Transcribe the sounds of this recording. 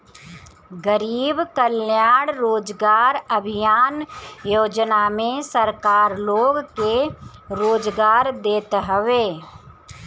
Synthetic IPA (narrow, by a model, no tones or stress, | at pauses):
ɡəɾiːbkəljaːɽɾoːd͡ʒɡaːɾəbʱijaːnjoːd͡ʒnamẽsəɾkaːɾloːɡkeɾoːd͡ʒɡaːɾd̪eːt̪ɦəʋeː